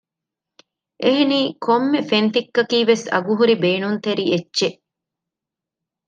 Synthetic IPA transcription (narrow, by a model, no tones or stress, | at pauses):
ʔeɦeniːkʰomːefent̪ikːɐkiːʋesɐ̰ɡuɦuɾibeːnunt̪eɾietːʃeʔ